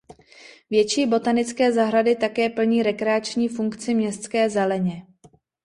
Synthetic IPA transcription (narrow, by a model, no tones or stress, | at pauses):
vjɛt͡ʃiːbo̞t̪anɪt͡skɛːzaɦɾadɪt̪akɛːpl̩ɲiːɾɛkɾɛat͡ʃɲiːfuŋkt͡sɪmɲɛst̪t͡skɛːzɛlɛɲɛ